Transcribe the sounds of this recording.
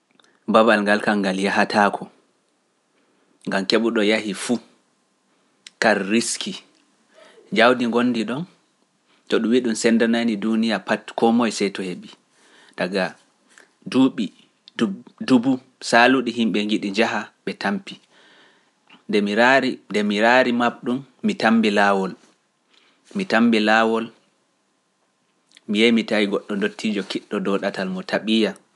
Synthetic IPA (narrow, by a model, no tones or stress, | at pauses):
babalŋɡalkaŋɡaljaɦatʰakʰɔ | ŋɡamkeɓuɗɔjaɦifu | kaɾːiskʰi | d͡ʒawdiŋɡonːdiɗɔn | tɔɗumwiɗumsɛndananidunijapatkɔmɔjsɛjtɔheɓi | daɡa | duɓi | ddubu | saluɗiɦimɓɛŋɡiɗiɲd͡ʒaɦaɓɛtampi | ndɛmiɾaɾindɛmiɾaɾimaɗumːitambɛlawɔl | mitambɛlaːwɔl | mijɛjmitajiɡɔɗːɔndotʰːid͡ʒɔkiɗːɔdɔɗatalmɔtʰaɓija